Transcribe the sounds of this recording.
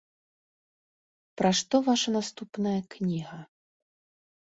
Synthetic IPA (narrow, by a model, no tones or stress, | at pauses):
pɾaʂt̪ɔvaʂɐnast̪upnɐjɐknʲiɣɐ